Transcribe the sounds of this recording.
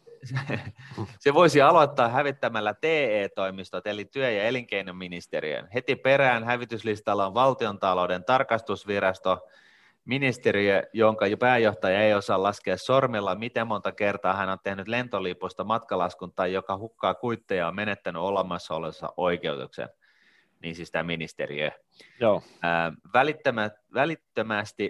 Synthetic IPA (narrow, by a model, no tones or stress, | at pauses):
seʋo̞isiɑloit̪ːɑːhæʋit̪ːæmælːæt̪eːeːt̪oimist̪ot̪elit̪yøjɑeliŋkeinummːinist̪eɾḭø̰nhet̪ipe̞ɾæːnɦæʋit̪yslist̪ɑlːɑonʋɑlt̪iont̪ɑloudent̪ɑrkɑst̪usʋirɑst̪o | minist̪eɾiøjoŋkɑpæːjoht̪ɑjɑejosɑːlɑskeɑssormilːɑmit̪emmont̪ɑkert̪ɑːhænont̪ehnyt̪lent̪oliːpust̪ɑmɑt̪kɑlɑskunt̪ːˑɑjjokɑhukːɑːkuit̪ːejɑommenet̪ːænyolemˑɑsːɑolesːɑ̰ʔoikeut̪ṵksḛn | niːnsist̪æminist̪ḛrḭø̰ | joː | ʋælit̪ːømæ | ʋælit̪ːømæst̪i